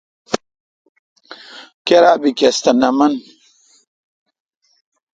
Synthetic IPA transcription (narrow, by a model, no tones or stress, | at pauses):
keɾaːbikest̪ɐnɐmɐn